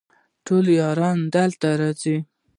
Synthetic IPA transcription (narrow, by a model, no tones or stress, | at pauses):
ʈoljɑɾɑnd̪alt̪aɾɑt͡si